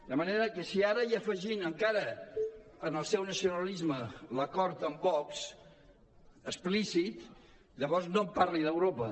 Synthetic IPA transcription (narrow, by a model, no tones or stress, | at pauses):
d̪əməneɾəkəsiaɾəiəfəʒinəŋkaɾə | ənəlˠsɛwnəsiunəlizmələkɔɾt̪əmbɔks | əsplisit̪ | ʎəβɔɾznomparliðəwɾopə